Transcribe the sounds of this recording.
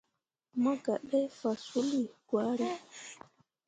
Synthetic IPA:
ma˦ɡa˨ɗɛ˦fa˨su˦li˨ɡ̥waː˦ɾi˨

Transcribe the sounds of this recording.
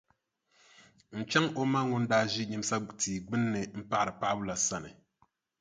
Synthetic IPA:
n̩˨t͡ʃɛ˦ŋo˦ma˦ŋʊ˦ndaː˦ʒi˦ɲi˦m˦sa˦tiː˨ɡ͡bɨ˦nːɨ˨m̩˦pa˦ʔɨ˨pa˦ʔbʊ˦la˨sa˦nɨ˨

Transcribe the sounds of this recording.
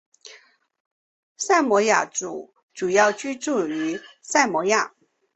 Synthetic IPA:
sa˥˩ɪmwɔ˧˥ja̰˧˩ʈ͡ʂṵ˨˩˦ | ʈ͡ʂu˨˩jɑ˥˩ʊt͡ɕy˥ʈ͡ʂu˥˩y˧˥sa˥˩ɪmwɔ˧˥ja˥˩

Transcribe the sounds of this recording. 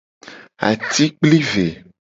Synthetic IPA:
a̰˨t̪i˦k͡pli˦ve˨

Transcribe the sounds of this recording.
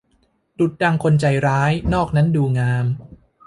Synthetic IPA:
tu˨˩t̪̚da˧ŋkʰo˧nt͡ɕa˧jɾaː˦˥jnɔː˥˩k̚na˦˥nduː˧ŋaː˧m

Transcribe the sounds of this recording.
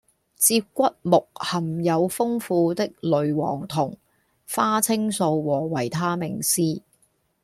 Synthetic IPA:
t͡siː˧p̚kːʷɐ˥t̚mʊ˨k̚hɐ˨˩mjɐ˨˧wfʊ˥ŋfuː˨˧t̪ɪ˥k̚lɵ˨˧ɥwɔ̰ː˨˩ŋt̪ʰʊ˨˩ŋ | faː˥t͡sʰɪ˥ŋso˧wwɔː˨˩wɐ˨˩jt̪ʰaː˥mɪ˨˩ŋsiː˥

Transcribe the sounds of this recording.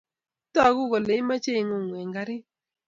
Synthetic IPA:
ta˦˨ɡʊ˦ɡɔ˨le˨˦ma˦t͡ʃe˦˨ŋo˨ŋwe˨ŋɡa˨ɾɪ˦

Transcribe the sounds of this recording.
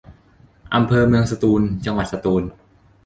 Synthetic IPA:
ʔa˧mpʰɤː˧mɯ˧əŋsa˧t̪uː˧nt͡ɕa˧ŋwa˨˩t̪̚sa˧t̪uː˧n

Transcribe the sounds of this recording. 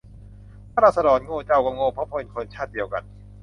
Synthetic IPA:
pʰa˥ɾaː˧˩sa˧dɔː˩˦nŋoː˧t͡ɕa˧˩wka˧˩ŋoː˧pʰɔ˦˥pʰo˧nkʰo˧nt͡ɕʰaː˥˩t̪̚di˧əwka̰˧n

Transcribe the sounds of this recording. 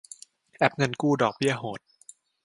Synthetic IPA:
ʔɛ˦˥p̚ŋɤ˧nkuː˥˩dɔː˨˩k̚bi˥˩ɐɦoː˨˩˦t̪̚

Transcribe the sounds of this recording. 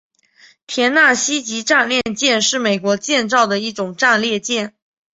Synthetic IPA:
t̪ʰjɛ˧˥nna˥˩ɕi˥t͡ɕi˧˥ʈ͡ʂa˥˧nljɛ˥˧nt͡ɕjɛ˥˧nʂɻ̩˥˩me˨˩ɪkwɔ˧˥t͡ɕjɛ˥˧nt͡sɑ˥˩ʊd̪ə˩i˥˩ʈ͡ʂʊ˨˩ŋʈ͡ʂa˥˧nljɛ˥˧t͡ɕjɛ˥˩n

